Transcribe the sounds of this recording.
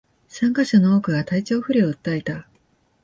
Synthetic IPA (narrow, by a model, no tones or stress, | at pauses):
sãŋkaɕanooːkɯ̟ɡat̪ait͡ɕo̞ːɸɯ̟ɾʲeoɯt̪ːaet̪a